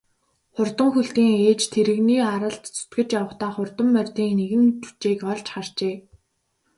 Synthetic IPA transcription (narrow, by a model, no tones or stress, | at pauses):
χʊrt̪ə̆ŋxuɬt̪iːŋeːt͡ɕt̪ʰeɾɘ̆ɣniːaɾə̆ɬt̪t͡sʰʊ̥t̪ɡɘ̆t͡ɕjawə̆χt̪aːχʊrt̪ə̆mːœrʲt̪iːŋneɣɘ̆nt͡ɕu̥t͡ɕeːkɔɮt͡ɕχar̥t͡ɕeː